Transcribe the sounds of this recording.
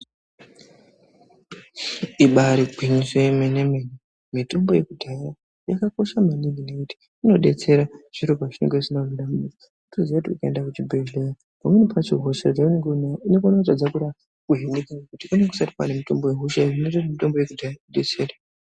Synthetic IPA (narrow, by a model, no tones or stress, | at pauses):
iɓaɾiɡʱwiɲiswemenemeni | mito̞mbo̞je̞kudʱaja | jakako̞ʃamanininekuti̥ | ino̞ɗe̞̰t͡se̞ɾaʐ̥iɾokaʐineŋɡeʐinavinamid͡za | utoziautiukaendakut͡ʃibʱeʒeja | pamwe̞nipʰat͡ʃiɦo̞ʃat͡ʃaɡneɡunatad͡zakuɾa | kuɦenikakakutikuneku̥sati̥pwa̰nemito̞mbo̞jeɦuʃaʐinetoamito̞mboje̞kudʱajauɗe̞t͡se̞ːra